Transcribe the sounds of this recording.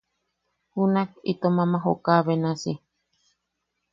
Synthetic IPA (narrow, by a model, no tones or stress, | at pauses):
hunakit̪omãmãɦokaːβenasi